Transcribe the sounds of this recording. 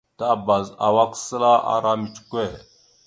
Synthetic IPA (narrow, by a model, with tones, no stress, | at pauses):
ta˦ba˨za̰˨wa˦ksə˦la˦ʔa̰˨ɾa˦mi˨tkʷe˦˨